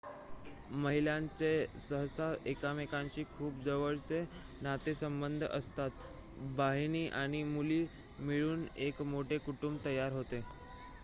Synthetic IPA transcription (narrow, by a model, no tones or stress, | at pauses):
məɦiljãɲt͡sesəɦsaekamekãɲt͡ɕiːkʰuːpd͡zəʋəɭt͡se | nat̪esəmbənd̪ʱəst̪at̪ | baɦiñiːʔaɽ̃imuliː | miɭuːnekmoʈekuʈumbt̪əjaɾɦot̪e